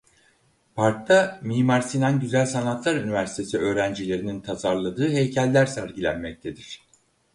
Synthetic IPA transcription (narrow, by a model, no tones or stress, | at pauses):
pʰaɾk̚t̪ʰamiːmaɾsinanɟyzælʲsanat̪ʰlˠaɾynivæɾsi̥t̪ʰe̞siø̞ːɾænd͡ʒilʲe̞ɾinint̪ʰasaɾlˠad̪ɯːɦe̞jcʰælʲːæɾsæɾɟilʲæ̰nmɛc̚t̪ʰe̞d̪iɾ̥